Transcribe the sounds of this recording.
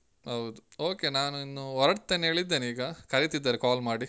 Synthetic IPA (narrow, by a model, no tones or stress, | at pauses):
ɦɐwd̪uo̞ːke̞naːnuinːuɔɾɐɽt̪ːeːneːɭid̪ːeːniːɡɐkɐɾit̪id̪ːaːɾekaːlmaːɽi